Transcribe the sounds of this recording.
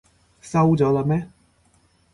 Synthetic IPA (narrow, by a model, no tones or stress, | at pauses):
sawdɔlamɛ